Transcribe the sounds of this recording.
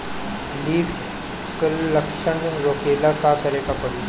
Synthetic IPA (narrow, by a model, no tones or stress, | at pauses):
liːf | kəlɐkʃəɳɾoːkeːlakakɐɾeːɡapɐʋɪt̪